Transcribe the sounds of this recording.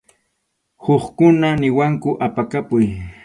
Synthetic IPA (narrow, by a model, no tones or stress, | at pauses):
hoχkʊnanɪwaŋkʊʔapakapʊj